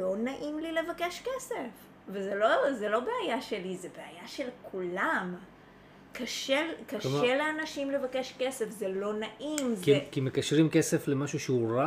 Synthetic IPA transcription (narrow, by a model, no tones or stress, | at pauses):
lo̞naʔimlile̞vake̞ʃkesef | vezelozelo̞be̞ajaʃe̞lizebeajaʃe̞lkʰulam | kaʃekaʃeleanaʃimle̞vakeʃkese̞fzelo̞naʔimzekimekaʃʁimkeseflemaʃuʃeuʁa